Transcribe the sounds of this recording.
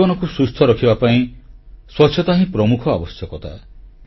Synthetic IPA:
ɔnɔkusɾust̪ʰɔɾɔkʰibapaĩswɔtːt͡ʃʰjɔt̪aɦĩpɾɔmukʰɔa̰bɔsjɔkɔt̪ʰa̰

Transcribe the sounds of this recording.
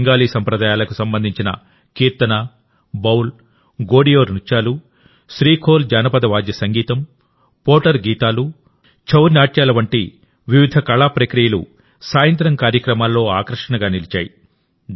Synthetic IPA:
ŋɡaːliːsɐmpɾɐd̪aːjaːlɐkusɐmbɐnd̪ʱiɲt͡ʃinɐ̰ | kiːɾt̪ɐnaː | bɐwl | ɡoːɽijoːɾnut͡ʃːaːlu | ʃɾiːkʰoːld͡ʒaːnɐpɐd̪ɐʋaːd̪jɐsɐŋɡiːt̪ɐm | poːʈɐɾɡiːt̪aːlu | t͡ʃʰɐwɾnaːʈjaːlɐʋɐɳʈḭ | ʋiʋid̪ʱɐkɐɭaːpɾɐkɾijɐlṵ | saːjɐnt̪ɾɐŋkaːɾjɐkɾɐmaːlːo̞ːaːkɾɐʂɐɳɐɡaːnilit͡ʃa̰ːji

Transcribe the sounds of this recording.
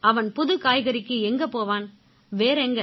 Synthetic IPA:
ɐʋɐnpʊðɯkaːjɣɐɾɪkːɯɛŋɡɐpoːʋaːn | ʋeːɾɛŋɡɐ

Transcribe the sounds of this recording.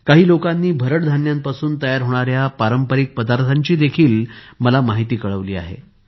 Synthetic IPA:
kaɦiːlokanːiːbʱəɾəʈd̪ʱanjampasuːnt̪əjaɾɦoɽ̃aɾjapaɾəmpəɾik̚pəd̪aɾt̪ʰaɲt͡ɕiːd̪ekʰiːlməlamaɦit̪iːkəɭəʋliːa̰ɦḛ

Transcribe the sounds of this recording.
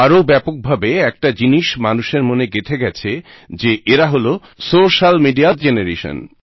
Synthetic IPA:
aɾobɛpok̚bʱabeɛk̚ʈad͡ʑiniʃmanuʃeɾmoneɡet̪ʰeɡɛt͡ɕʰe | d͡ʑeʔeɾaɦolo | soʃalmiɖiad͡ʑeneɾeʃo̰n

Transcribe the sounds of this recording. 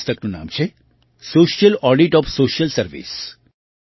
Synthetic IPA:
st̪ɐknuna̰ːmt͡ʃʰe | soːʃijɐlɔːɖiʈɔːfsoːʃijɐlsɐɾʋḭs

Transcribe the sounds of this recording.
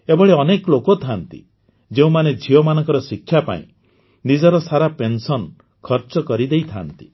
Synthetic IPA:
ebɔɭeɔneklokot̪ʰant̪ḭ | d͡ʒeũmaned͡ʒʱiɔmanɔ̃ŋkɔɾɔsikʰːjapa̰ḭ̃ | nid͡ʒɔɾɔsaɾapensɔn | kʰɔɾt͡ʃɔkɔɾid̪ejt̪ʰant̪i̥

